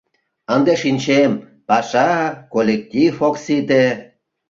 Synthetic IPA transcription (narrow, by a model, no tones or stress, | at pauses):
ənd̪eʃinʲt͡ɕem | pɑʃɑkolʲek̚t̪ʲifoksit̪e